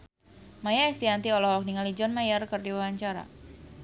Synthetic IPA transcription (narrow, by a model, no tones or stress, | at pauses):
majaɛst̪iant̪iɔlɔhɔk̚niŋalid͡ʒɔnmajərkərdiwawaɲt͡ʃaɾa̰